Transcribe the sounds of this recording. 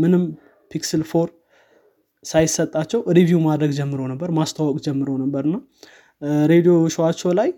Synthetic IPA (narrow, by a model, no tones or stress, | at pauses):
mɨnɨm | pʰiksɨlfo̞ɾ | sajɪsət̪ʼːat͡ʃːɛwɾivjumad̪ɾəɡd͡ʒɛmːɨɾonəbːəɾmast̪ʰawɔkʼd͡ʒɛmːɨɾonəbːəɾɨnːa | ɾe̞d̪ijo̞ʃwat͡ʃːɛwlaj